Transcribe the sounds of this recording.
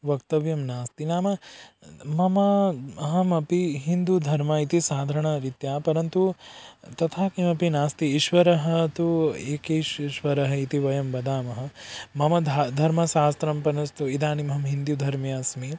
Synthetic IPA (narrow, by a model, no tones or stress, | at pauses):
ʋɐkt̪ɐʋjɐmnaːst̪inaːmɐ | mɐmɐɐɦɐmɐpiɦind̪ud̪ʱɐɾmɐit̪isaːd̪ʱɐɾɐɳɐɾit̪jaːpɐɾɐnt̪ut̪ɐt̪ʰaːkimɐpinaːst̪iːʃʋɐɾɐɦɐ̆t̪ueːkeʃʃʋɐɾɐɦɐit̪iʋɐjɐmbɐd̪aːmɐɦɐ̆mɐmɐd̪ʱd̪ʱɐɾmɐsaːst̪ɾɐmpɐnɐst̪uid̪aːnimɐɦɐmɦind̪jud̪ʱɐɾmjaːsmi